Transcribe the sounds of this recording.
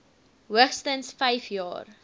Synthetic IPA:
ɦuəχstənsfɛjfjɑ̰ːr

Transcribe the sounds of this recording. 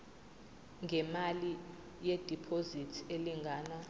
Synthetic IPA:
ŋʱɛmali | jed̥ʱipʰozitʰeliŋɡʱaːna

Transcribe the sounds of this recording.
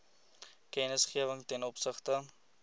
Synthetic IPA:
kɛnəsχiəvəŋtɛnɔpsəχtə

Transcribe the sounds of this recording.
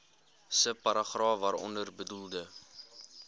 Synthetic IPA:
səpɐɾɑχrɑːvɐɾɔ̰ndərbədulˠdə

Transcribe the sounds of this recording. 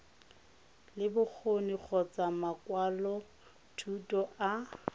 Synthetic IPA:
lɪbʊk͡xʰonik͡xʰɔt͡sʼamakwalɔ | tʰutʼɔʔa

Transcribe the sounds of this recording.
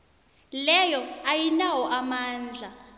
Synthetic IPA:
lɛjɔajinawɔʔamaːnd͡ɮʱa

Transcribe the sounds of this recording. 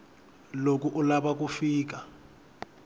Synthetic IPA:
lok̬ʼuʔulaɓak̬ʼufiːk̬a

